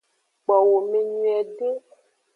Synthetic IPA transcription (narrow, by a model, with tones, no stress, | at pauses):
k͡pɔ˨wo˨me˦ɲũ˦ɛ˨ɖe˦